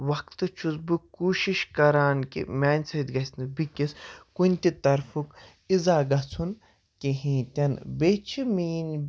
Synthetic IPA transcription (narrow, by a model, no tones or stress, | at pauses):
ʋɐkt̪ɨt͡ʃʰuzbɨkuːʃiʃkɐɾaːnkḭmʲaːnʲsɐid̪ɡɐsʲnɨbikiskunʲt̪it̪ɐɾfuk | izaːɡɐt͡sʰun | keɦĩːt̪ʲɐnbeːt͡ʃʰimiːn